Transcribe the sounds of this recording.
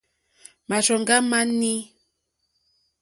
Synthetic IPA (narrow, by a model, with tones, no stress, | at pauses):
ma˨ʃɔ˨ŋɡa˦ma˦ni˦